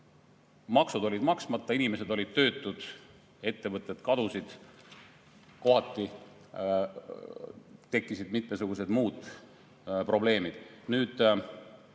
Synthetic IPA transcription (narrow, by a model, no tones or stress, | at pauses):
mɑksud̪o̞lʲid̪mɑksmɑt̪ːˑɑinime̞sed̪o̞lʲid̪̥̚t̪ø̞ːt̪ːˑud̪̥ | e̞t̪ːe̞vɤt̪ˑːe̞d̪kɑd̪̥usid̪̥ | ko̞ɦɑt̪ːˑi | t̪e̞kːˑisid̪̥mit̪me̞suɡ̥use̞d̪muːd̪̥ | pro̞ble̞ːmid̪̥nyːd̪̥